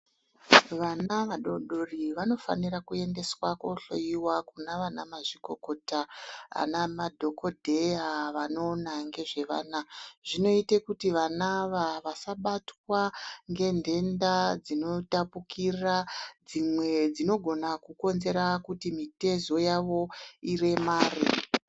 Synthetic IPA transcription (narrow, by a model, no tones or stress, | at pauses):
ʋanaʋaɗoɗo̞riʋano̞fa̰nirakue̞nde̞swakoɬo̞̰jiwakunaʋana̰maʐiko̞kotaa̰namadʱo̞ko̞dʱe̞jaʋano̞ːnaŋɡe̞ʐe̞ʋa̰ːnaʐ̥ino̞itekutiʋanaʋaʋasaɓatwaŋɡe̞nde̞ndad͡zino̞tapukʰirad͡zimwe̞d͡zino̞ɡʱo̞nakuko̞nze̞ɾakutimite̞zo̞jaʋo̞ire̞maːri